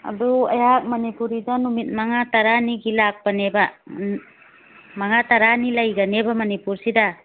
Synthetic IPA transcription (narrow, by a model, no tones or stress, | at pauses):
a̰dua̰jak̚mɐnipuɾidanumit̚maŋataɾaniɡilak̚baneba | maŋataɾanilajɡɐnebamɐnipuɾsida